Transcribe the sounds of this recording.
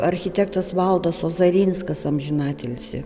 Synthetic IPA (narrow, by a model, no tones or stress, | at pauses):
ɐɾʲxʲɪt̪ʲɛkt̪ɐsʋɐlˠd̪ɐsoːzɐɾʲiːnskɐsɐmʲʒʲɪnɑːt̪ʲɛlʲsʲɪ̰